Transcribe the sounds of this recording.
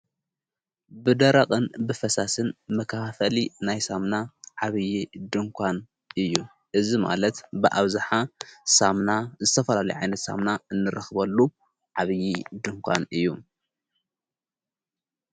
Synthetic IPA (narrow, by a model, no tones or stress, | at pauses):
bɨd̪ɐɾaqʼɨnbɨfɐsasɨnmɐkʰaafɐlinajsamnaʕaβɨjid̪ɨŋkʷʰan | ʔɨjːu | ʔɨzima̰lɐt̪bɨʔaβzaħasamnazɨt̪ʰɐfɐlalɐjʕa̰jnɐt̪sa̰mnaɨnːɨɾɐxbɐlːu | ʕaβɨjid̪ɨŋkʷʰa̰nɨjːu